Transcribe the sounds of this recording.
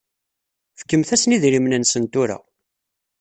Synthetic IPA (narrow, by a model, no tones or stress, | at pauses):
fə̥kːəmθæsniðɾimnənsənt̪ʊɾæ̰